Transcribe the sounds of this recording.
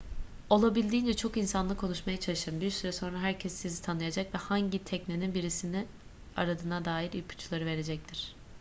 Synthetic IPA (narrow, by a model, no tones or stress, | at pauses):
o̞lˠabilʲd̪iːnd͡ʒɛt͡ʃʰo̞kinsanlˠɯkʰːo̞nuʃmajat͡ʃʰalˠɯʃɯɾɯmbiɾsyɾɛso̞nɾaɦæɾcʰɛsːizit̪ʰanɯjad͡ʒakvɛhaɲɟit̪ʰɛcneninbiɾisini | a̰ɾad̪ɯːnad̪aːjiɾilpʰu̥t͡ʃʰulˠaɾɯve̞ɾe̞d͡ʒɛc̚t̪ʰiɾ̥